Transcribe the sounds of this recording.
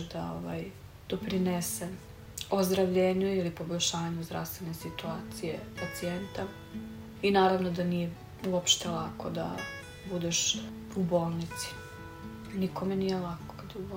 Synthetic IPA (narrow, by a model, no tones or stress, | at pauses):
d̪aoʋa̰j | d̪̥opɾinese | ozd̪ɾaʋʎeːɲuilipo̞boʎʲʃaːɲuzd̪ɾa̰fst̪vʋe̞ne̞sit̪uaːt̪sijepat̪sient̪a | inaːɾaʋnod̪anije | uopʃt̪elˠa̰ko̞d̪a̰ | bud̪eʃ | ubo̞ːlˠnit̪si̥ | nikomenijelako̥kad̪ubo